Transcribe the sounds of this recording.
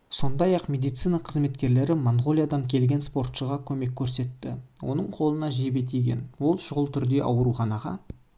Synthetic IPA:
so̞nd̪ɑjɑqmʲe̞d̪ijt̪sijnɑqʰəzme̞t̪kʲe̞ɾle̞ɾɪmoɴʁo̞lʲijad̪ɑŋkʲʰe̞lɡʲe̞nspo̞rt̪ʃəʁɑkʲʰɵme̞kʲʰːɵɾse̞t̪ːɪwʔo̞̰nəɴqʰo̞lˠənɑʒebe̞t̪̬eɡʲḛnwo̞lˠʃʊʁəlˠt̪ʰʏɾd̪e̞ʔɑwəɾuχɑnɑʁɑ̰

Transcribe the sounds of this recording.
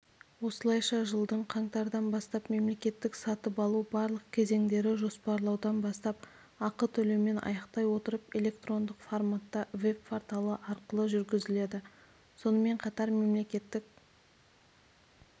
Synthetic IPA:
wo̞səlˠɑjʃɑʒəlˠd̪əɴqʰɑɴt̪ɑɾd̪ɑnbɑst̪ɑpme̞mle̞kʲe̞t̪ːɪksɑt̪əpɑlˠubɑɾlˠəq̚kʲʰe̞ze̞ŋd̪e̞ɾɪʒo̞spɑɾlˠɑwd̪ɑnbɑst̪ɑp̚ | ɑqət̪ʰɵlewme̞nʔɑ̰jɑqt̪ɑjwo̞t̪əɾəpe̞lʲe̞kt̪ro̞nd̪əqformat̪ːɑve̞pfoɾt̪alˠəʔɑɾqəlˠəʒʏɾɡʲɪzɪle̞d̪ɪ | so̞nəme̞ɴqʰɑt̪ɑɾme̞mle̞kʲe̞t̪ːɪk̚ʲ

